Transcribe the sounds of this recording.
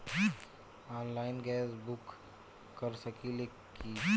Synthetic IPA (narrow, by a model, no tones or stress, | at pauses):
aːnlaːɪnɡɛːsbʊkː | ɐɾsɐkʰile | ki